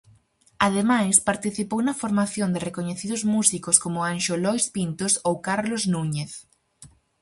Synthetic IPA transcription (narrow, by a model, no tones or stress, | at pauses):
að̞emajspaɾt̪iθipownɐfoɾmaθjond̪ɪrekoɲeθiðʊzmusikoskomʊanʃolɔjspint̪osowkaɾloznuɲeθ